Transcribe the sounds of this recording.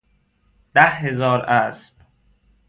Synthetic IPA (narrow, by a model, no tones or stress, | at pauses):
d̪̥æhɦe̞zɒːɾʔæsb̥